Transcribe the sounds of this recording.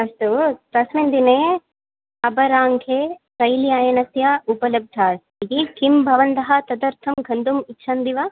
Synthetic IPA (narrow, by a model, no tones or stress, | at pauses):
ɐst̪upɾɐsmind̪ineː | ɐbɐɾaːŋɡʱeːsɐjlijaːjɐnɐsjaupɐlɐb̚d̪ʱaːs | id̪ikimbʱɐʋɐnd̪ɐɦɐt̪ɐd̪ɐɾt̪ʰɐmɡʱɐnd̪umitːʃʰaːnd̪iʋa